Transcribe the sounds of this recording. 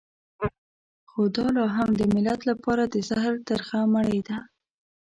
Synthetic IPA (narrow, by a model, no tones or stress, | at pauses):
xod̪ɑlɑɦamd̪əmɪlat̪lapɑɾad̪əzahɾt̪aɾxamaɽəjd̪a